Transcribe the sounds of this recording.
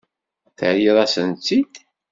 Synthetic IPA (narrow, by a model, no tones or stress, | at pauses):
θə̰ʕjiðˤæsənt͡sːid̪